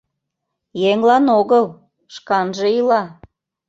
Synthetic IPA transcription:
jeŋlɑnoɣəl | ʃkɑnʒeilɑ

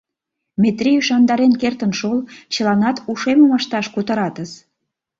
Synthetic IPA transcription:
met̪ɾiyʃɑnd̪ɑɾenkert̪ənʃolt͡ɕə̆lɑnɑt̪uʃemomɑʃt̪ɑʃkut̪əɾɑt̪əs

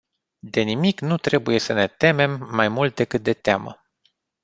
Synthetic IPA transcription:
d̪e̞nimiknut̪ɾe̞buje̞səne̞t̪e̞me̞mːajmult̪̚d̪e̞kɨt̪̚d̪e̞t̪ea̰mə̰

